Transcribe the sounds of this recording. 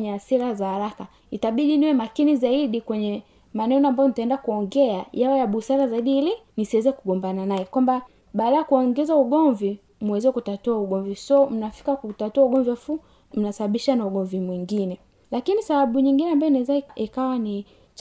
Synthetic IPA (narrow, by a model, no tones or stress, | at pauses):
ɲɛasiɾazahaɾaka | itaɓiɗiniwɛmakinizaiɗikwɛɲɛ | manɛnɔambajɔnitaɛndakuɔŋɡɛajawɛjaɓusaɾazaiɗiːlinisiwɛzɛkuɡɔmbananaɛkwamba | ɓaːɗajakuɔŋɡɛzauɡɔɱvi | muwɛzɛkutatuauɡɔɱvisɔm̩nafi̥kakutatuauɡɔɱviafu | m̩nasaɓaɓiʃanauɡɔɱvimwiŋɡinɛ | lakinisaɓaɓuɲiŋɡinɛambajɔnaɛzaiʔikawani